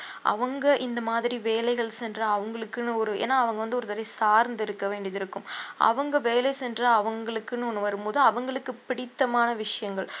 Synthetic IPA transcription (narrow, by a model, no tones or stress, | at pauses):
ʔɐ̰ʋɐŋɡɐʔɪnd̪ɐmaːðɪɾiʋeːlɐɪɣɐɭsɛndrɐɐʋɐŋɡɐɭɯkːɯnɯɔɾɯḛːnːaːɐʋɐŋɡɐʋɐnd̪ɯɔɾɯt̪ɐɾɐɪsaːɾnd̪ɪɾɯkːɐʋeːɳɖiɐðɪɾɯkːɯmʔɐ̰ʋɐŋɡɐʋeːlɐsɛndrɐɐʋɐŋɡɐɭɯkːɯnːɯɔnːɯʋɐɾɯmpoːðɯɐʋɐŋɡɐɭɯkːɯpɪɽɪt̪ːɐmaːnɐʋɪʂɐjɐŋɡɐɭ